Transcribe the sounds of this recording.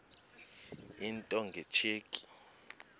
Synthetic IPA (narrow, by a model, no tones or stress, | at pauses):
intʼɔŋɡʱet͡ʃʰeːkʼi̥